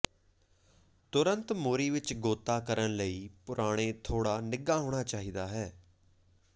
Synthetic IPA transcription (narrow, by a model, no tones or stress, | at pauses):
t̪ʊɾənt̪moːɾiːʋɪt͡ʃɡoːt̪aːkəɾənləiːpʊɾʔaːɽ̃eːt̪ʰoːɽaːnɪɡaːɦoːɽ̃aːt͡ʃaːɦiːd̪aːɦɛː